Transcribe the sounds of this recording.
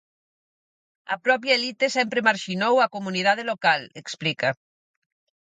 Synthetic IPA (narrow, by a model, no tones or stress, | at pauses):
ɐ̰pɾɔpjaelit̪esɛmpɾemaɾʃinowɐkomunið̞að̞elokaleksplikɐ